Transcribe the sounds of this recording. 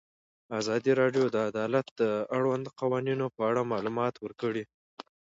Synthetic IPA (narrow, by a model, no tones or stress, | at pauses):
azɑd̪iɾɑɖjod̪əad̪ɑlat̪̚d̪əaɽwand̪qawɑninopəaɽamɑlumɑt̪wəɾkəɽi